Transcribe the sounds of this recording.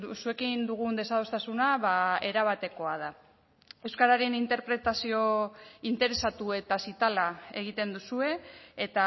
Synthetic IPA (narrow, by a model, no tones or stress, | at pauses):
sue̞kind̪uɣ̞und̪e̞sað̞o̞st̪asunaβae̞ɾaβ̞at̪e̞ko̞að̞a | e̞wskaɾaɾenint̪e̞ɾpɾe̞t̪asio̞int̪e̞ɾe̞sat̪ue̞t̪asit̪alae̞ɣ̞it̪e̞nd̪usue̞ːt̪a